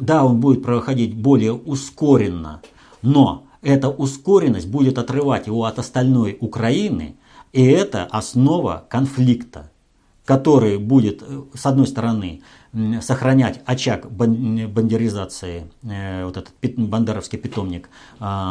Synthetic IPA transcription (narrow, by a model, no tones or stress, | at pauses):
d̪ao̞nbudʲɪt̪pɾəxɐdʲit̚ʲbo̞lʲɪjəʊsko̞ɾʲɪnːə̰ | no̞ | ɛt̪əʔʊsko̞ɾʲɪnːəsʲt̚ʲbudʲɪt̪ɐt̪rɨvatʲjɪvo̞ɐt̪əst̪ɐlʲno̞jʊkɾɐinɨ̰ | iɛt̪ə̰ʔɐsno̞və̰kɐnflʲikt̪ə | kɐt̪o̞ɾɨjbudʲɪt̪sɐd̪no̞jst̪əɾɐnɨ | səxɾɐnʲætʲɐt͡ɕakbəbənʲdʲɪɾʲɪzat̪sɨɪvo̞t̪ɛt̪ə̥t̪̚pʲɪbɐnd̪ɛɾəfskʲɪjpʲɪt̪o̞mnʲɪk